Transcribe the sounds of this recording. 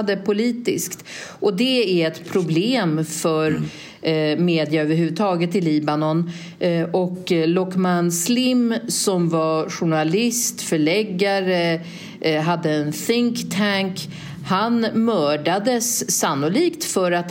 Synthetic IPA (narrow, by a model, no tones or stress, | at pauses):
d̪əpʰʊliːt̪ɪ̰skt̪ʔɔd̪ɛæɾɛt̪pʰɾʊbleːmfœɾ | meːd̪ɪaøːvəɾhʉ̟vəd̪t̪ʰɑːɡət̪ɪliːbanɔn | ʔɔklɔkmanslɪmsɔmvaɧʊɳalɪst̪fœɭɛɡːaɾə | ɦad̪ːəɛnθɪŋkt̪ʰæŋk | hanmœːɖad̪əsːanːʊliːkt̪fœɾat̪